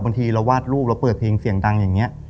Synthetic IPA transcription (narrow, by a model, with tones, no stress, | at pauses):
ba˧ŋt̪ʰiː˧ɾa˧waː˥˩t̪̚ɾuː˥˩p̚la˦˥wpɤː˨˩t̪̚pʰeː˧ŋsi˨˩˦əŋda˧ŋjaː˨˩ŋːi˦˥ɐ